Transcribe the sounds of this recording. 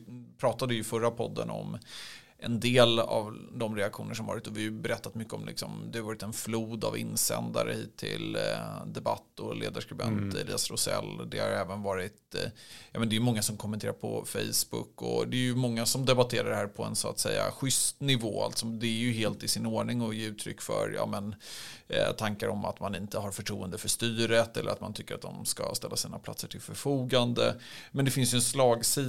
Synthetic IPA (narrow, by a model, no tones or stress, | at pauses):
pʰɾɑːt̪ad̪ɪjɵfœɾːapʰɔd̪ːənɔ̰m | ʔɛnd̪eːla̰vd̪ɔmɾɛakɧuːnəʂɔmvɑːɾɪt̪ːɔvɪhajɵbɛɾɛt̪ːat̪mʏkːəɔmlɪ̰ksɔmd̪ɛhaɾvɑːɾɪt̪ɛnfluːd̪avɪnːsɛ̰nd̪aɾəhiːt̪ʰːɪ̰ld̪ɛbat̪ːɔlḛːd̪aʂkɾɵbɛnt̪ɛ̰lḭːasɾʊsɛlːd̪ɛha̰ɾɛːvənvɑːɾɪt̪jɑmɛnd̪ɛjɵmɔŋːasɔmkʰɔmːɛnt̪ʰeːɾaɾpʰɔfɛ̰jsbʊkːɔ̰d̪ɛːjɵmɔŋːasɔmd̪ɛbat̪ʰeːɾaɾɖhæːɾpʰɔɛ̰nsʊa̰t̪sɛjːa̰ɧʏst̪nɪvoːa̰lt̪sɔd̪ɛːɾjɵɦeːlt̪ɪsɪnoːɳɪŋɔjeːʉːt̪ʰɾʏ̰kːfœ̰ɾjɑ̰ːmɛn | t̪ʰaŋkaɾɔmat̪manɪnt̪əɦaɾfœʈʰɾuːənd̪əfœʂt̪yːɾət̪ɛlːəɾat̪mant̪ʰʏkːəɾa̰t̪̚d̪ɔmskast̪ɛlːasiːnapʰlat̪səʈʰɪlfœɾfuːɡand̪əmɛnd̪ɛfɪnsjəɛnslɑːɡsiː